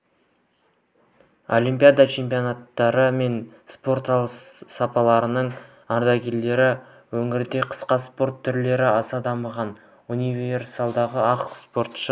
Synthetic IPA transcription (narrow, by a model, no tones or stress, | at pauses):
o̞̰lʲimpijad̪at͡ʃʰe̞mpijonat̪ːɑɾəme̞nspo̞ɾt̪ɑlˠssɑpɑlˠɑɾənəɴ | ɑɾd̪ɑkʲʰe̞ld̪e̞ɾɪ | wɵŋɪɾd̪e̞qʰə̥sqɑspo̞ɾt̪ʰːʏɾle̞ɾɪɑsɑd̪ɑməʁɑn | universɑlˠd̪ɑʁəɑqspo̞ɾt̪ʃə